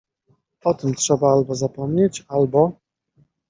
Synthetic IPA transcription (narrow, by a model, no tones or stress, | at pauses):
ɔt̪ɘmtʂɛbaalbɔzapɔmɲet͡ɕalbɔ